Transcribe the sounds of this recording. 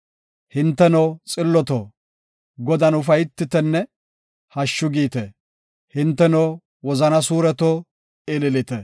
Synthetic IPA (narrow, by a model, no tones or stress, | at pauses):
hɪnt̪ːɛnot͡sʼɪlːɔt̪o̰ː | ɡɔd̪ɐnʊfɐjɪt̪ːɪt̪ɛnːɛ | hɐʃːʊɡiːt̪ɛ | hɪnt̪ːɛnow | wɔzɐnɐsuːɾɛt̪oː | ɪlɪlɪt̪ɛ